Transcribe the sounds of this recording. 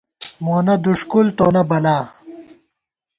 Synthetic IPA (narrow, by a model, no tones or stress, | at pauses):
moːnɐd̪uʂkult̪oːnɐbɐlaː